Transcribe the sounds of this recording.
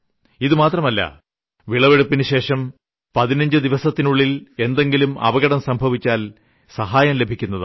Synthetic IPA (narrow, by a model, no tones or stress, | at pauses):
iðɨmaːt̪rɐmɐlːɐ̰ | ʋiɭɐʋe̞ɽupːinɨɕe̞ːʂɐm | pɐðinɐɲd͡ʑɨd̪iʋɐsɐt̪ːinuɭːile̞nd̪e̞ŋɡilumʔɐ̰ʋɐɣɐɽɐmsɐmbʱɐʋit͡ɕːaːl | sɐɦaːjɐmle̞bʱikʲːunːɐðɨ